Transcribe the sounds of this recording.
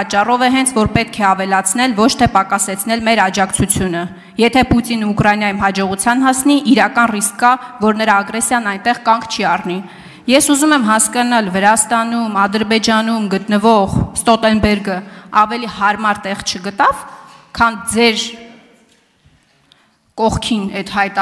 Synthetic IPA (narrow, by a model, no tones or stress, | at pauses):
ɑt͡ʃːɑrɔvɛɦɛnt͡sʰvɔɾpɛt̪̚kʰɛɑvɛlɑt͡sʰn̪ɛlvɔt͡ʃʰt̪ʰɛpɑkɑsɛt͡sʰn̪ɛlmɛɾɑd͡ʒɑkt͡sʰut͡sʰjunə | jɛt̪ʰɛput̪inuukɾɑjinjɑjumɦɑd͡ʒɔʁut͡sʰjɑnɦɑsniʔiɾɑkɑnriskːɑvɔɾnəɾɑːɡɾɛsjɑnːɑjnt̪ɛʁkɑŋkʰt͡ʃʰiɑrni | jɛsuzumɛmɦɑskɑnɑlvəɾɑst̪ɑnumɑd̪əɾbɛd͡ʒɑnumɡət̪nəvɔʁst̪ɔt̪ɛnbɛɾɡəɑvɛlihɑɾmɑɾt̪ɛʁt͡ʃʰəɡət̪ɑvkʰɑnd͡zɛɾ | kɔʁkʰinɛt̪hɑjt̪